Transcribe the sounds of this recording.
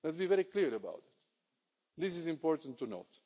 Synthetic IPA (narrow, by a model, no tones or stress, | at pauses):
lɛtsbivɛɾikliɹəba̰ʊtɪ̥t̚ | ðɪs̬ɪzɪ̃mpɔɹtə̃ntʰːuno̰ʊt